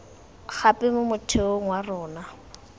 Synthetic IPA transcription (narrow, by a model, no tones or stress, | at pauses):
χapʼɪmʊmʊtʰeoŋwarʊːna